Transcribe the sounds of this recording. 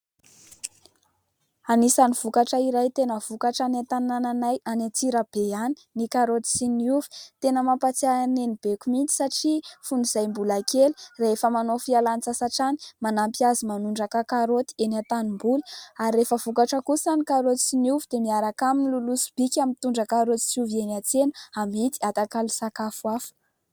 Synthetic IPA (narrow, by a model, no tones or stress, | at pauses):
anisaniv̥ukaʈ͡ʂəiɾajt̪enəv̥ukaʈ͡ʂanat̪anananajʔanat͡siɾəb̥eani̥nikaɾot̪i̥siniuvi̥t̪enəmampat͡sianenib̥ekumint͡si̥saʈ͡ʂifuniz̥ajmbulakeli̥raefəmanofialant͡sasaʈ͡ʂani̥manampiazimanuɳɖ͡ʐakakaɾot̪i̥enat̪animbuli̥aɾiːefəvukaʈ͡ʂəkusanikaɾot̪i̥siniuvid̪̥emiaɾakaminilulusu̥b̥ikʲamint̪uɳɖ͡ʐəkaɾot̪i̥suvienat͡senaamit̪iat̪akali̥sakafuafu̥